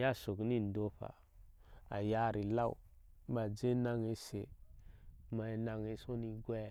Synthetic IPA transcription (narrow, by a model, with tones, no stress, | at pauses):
ja˦so˨kni˦˨n˨do˦ɸa̰˨ | a˨ja˦ɾi˨la˦˨ṵ˨˦ | ma˨d͡ʒe˦na˦ŋe˦se˨ | ma˨na˨ŋe˦so˦ni˦ɡʷɛ˦˨